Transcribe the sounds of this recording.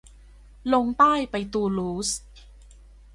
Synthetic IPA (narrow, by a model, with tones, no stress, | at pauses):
lo˧ŋt̪aː˥˩jpa˧jt̪uː˧luː˦˥s